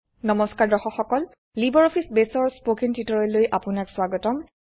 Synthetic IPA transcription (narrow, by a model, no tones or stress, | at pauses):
nɔmɔskaɹdɔxɔxɔkɔl | libɔɹɔpʰisbesɔɹspokintitɔɹɔlojʔapʊnakswaɡɔtɔm